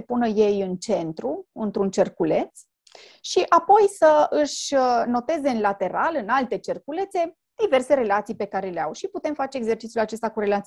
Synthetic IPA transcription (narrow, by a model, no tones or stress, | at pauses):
epunəje̞jɨnt͡ʃe̞nt̪ɾuɨnt̪ɾunt͡ʃerkule̞t̪s | ʃiʔapo̞jsəɨʃno̞t̪e̞zeɨnlat̪e̞ɾalɨnalt̪e̞t͡ʃe̞rkule̞t̪se̞ | d̪̥ive̞rse̞ɾe̞lat̪sijpe̞kaɾe̞leawʃiput̪emfat͡ʃe̞ːɡze̞rt͡ʃit̪sʲjulat͡ʃe̞st̪akuɾe̞lat̪si